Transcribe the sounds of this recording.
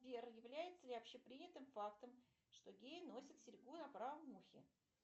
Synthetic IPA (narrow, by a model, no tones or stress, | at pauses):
bʲerjɪvlʲæjɪt̪sːəlʲɪɐpɕːepɾʲinʲɪt̪ɨmfakt̪əm | ʂt̪o̞ɡʲejno̞sʲɪt̪sʲɪɾʲɡunɐpɾavəmmːuxʲɪ̰